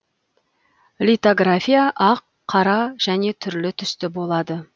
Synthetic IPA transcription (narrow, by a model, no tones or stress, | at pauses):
lʲit̪oɡrafʲijaʔɑqʰːɑɾɑʒ̥æne̞t̪ʰʏɾlɪt̪ʰʏst̪ɪbo̞lˠɑd̪ə